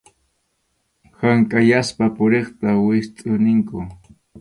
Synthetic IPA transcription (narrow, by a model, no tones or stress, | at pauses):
haŋkʼajaspapʊɾeχt̪awɪst̪ʼʊnɪŋkʊ